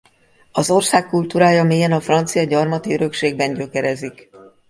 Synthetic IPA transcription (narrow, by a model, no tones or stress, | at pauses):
ɒzo̞rsaːkːult̪uːɾaːjɒmeːjɛnɒfrɒnt̪sijɒɟɒrmɒt̪iøɾø̞kʃeːɡ̚bɛɲɟø̞kɛɾɛzik